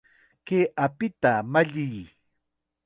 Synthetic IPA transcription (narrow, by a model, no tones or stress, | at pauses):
keʔapɪt̪amaʎɪj